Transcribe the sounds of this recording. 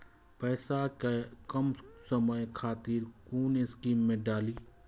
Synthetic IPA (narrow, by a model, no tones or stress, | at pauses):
pɛːsakakəmsəməjkʰaːt̪iɾkuːnɪskiːmːẽɖaːliː